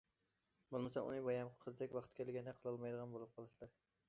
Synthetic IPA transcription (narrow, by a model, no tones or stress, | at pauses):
bolˠmasaṵnɪbɒjamqʰɨzd̪ekʲvɑχt̪̚kʲælɡʲand̪ɛqʰəlˠɑlˠmɑjd̪əʁɑnbolˠɨp̚qʰɑlˠɨʃlˠɑɾ